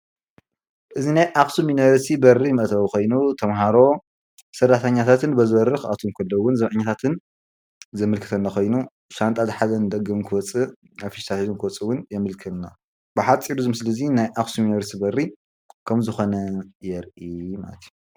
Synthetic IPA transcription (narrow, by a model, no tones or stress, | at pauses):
ʔɨzinajʔaxsuminɾst̪ʰibɐrːimɐʔt̪ʰɐxo̞jnut̪ʰɐmɦaɾo̞ | sɐrːat̪ʰɐɲːat̪ʰat̪ʰɨnbɐzɨβɐrːɨxa̰t̪ʰomkʰɐlːɐwːʊnzɐmʕɨɲːat̪ʰat̪ʰɨn | zɐmɨlkʰɨ̥t̪ʰɐnːaxojnu | sant̪ʼazɨħazɐnɨd̪ɐɡːɐmkʰɨwɔt͡sʼɨ | afiʃt̪ʰat̪zunkɨwɔt͡sʼɨwʊnjɛmɨlkʰɨlna̰ | bɨħat͡sʼːiɾuzɨmɨslizinajʔaxsuminɐɾst̪ʰibɐri | kʰɐmzɨxo̞nɐjɛɾʔima̰lɐt̪ʰju